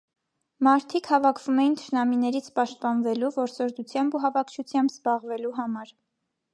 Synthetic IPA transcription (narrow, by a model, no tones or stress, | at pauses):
mɑɾt̪ʰikhɑvɑkʰv̥umɛjint̪ʰə̥ʃnɑminɛɾit͡sʰpɑʃt̪̚pɑnvɛluvɔɾsɔɾd̪ut͡sʰjɑmbuɦɑvɑkʰt͡ʃʰut͡sʰjɑmbzbɑʁvɛluɦɑmɑɾ